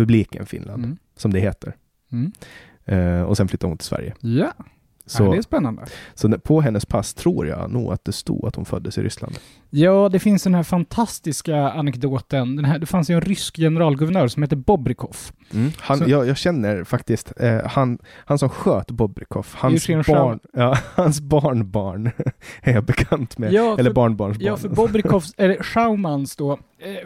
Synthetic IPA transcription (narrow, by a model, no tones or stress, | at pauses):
pɵbliːkənfɪ̰nla̰n | sɔmd̪ɛɦeːt̪ʰəɾ | ɔ̰sɛnflʏt̪ːaɾhʊnt̪ʰɪ̥lsvæ̰ɾjə̰ja | sɔdɛspɛnːand̪ə̰sɔd̪ɛpʰɔɦɛnːəspʰast̪ʰɾuːɾja̰nṵːɡa̰t̪̚d̪ɛst̪ṵːat̪hʊnfœ̰d̪ːəsɪ̰ɾʔʏ̰sla̰nd̪ | jɑːd̪ɛfɪnsd̪ɛnɦæːɾfant̪ʰast̪ɪskaanɛkd̪oːt̪ənd̪ɛnɦæɖ̪ɛfansɪɛnɾʏskjɛnɛɾɑːlɡɵvəɳœːɾsɔmheːt̪̬ːəbɔbɾɪkʰɔfm̩hajɑːɡjɑːɡɕɛnːəɾfakt̪ɪst̪hanhansɔmɧøːt̪bɔbɾɪkʰɔfhanʂɪnʂaɑːhansbɑːɳbɑːɳæɾjɑbɛkʰant̪mɛjɑːɛlːəbɑːɳbɑːɳʂbjɑːfœɾbɔbɾɪkʰɔfsɛɧaʊmansd̪ɔ